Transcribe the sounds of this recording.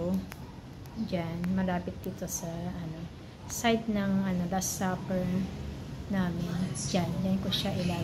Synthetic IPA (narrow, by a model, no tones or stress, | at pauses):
d͡ʒanmɐɾaːpɪt̪̚d̪ɪt̪o̞sɐʔɐno̞ | sajd̪̚nɐŋʔɐno̞d̪ɐsapɛɹ | naːmɪnd͡ʒand͡ʒankoʃaʔɪlaː